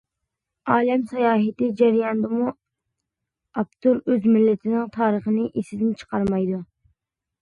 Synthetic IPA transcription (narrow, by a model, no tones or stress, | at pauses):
ɑːlɛmsɑjɑːɦɪt̪ɪd͡ʒɛɾjɑnd̪əmu | ɑpt̪ʰuɾøzmɪlːɪt̪ʰɪnɪŋt̪ʰɑːɾəχənɨʔesɪd̪ɪnt͡ʃʰə̥qʰɑɾmɑjd̪u